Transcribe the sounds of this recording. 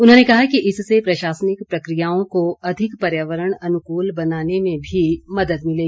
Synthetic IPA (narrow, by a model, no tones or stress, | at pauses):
ʊnɦõnekɐɦakiʔɪsːepɾɐʃaːsənɪkpɾɐkɾijaːõkoɐd̪ʱɪkpɐɾjaːʋəɾəɽ̃ɐnʊkuːlbɐnaːnemẽbʱimɐd̪əd̪mɪleːɡi